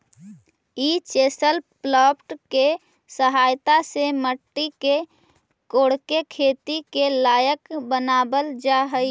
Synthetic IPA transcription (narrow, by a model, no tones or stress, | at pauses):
it͡ʃesəlplɔpʈke | səɦajt̪aseməʈːike | koɽkekʰet̪ikelaːjəkbənaːbəld͡ʒaɦəi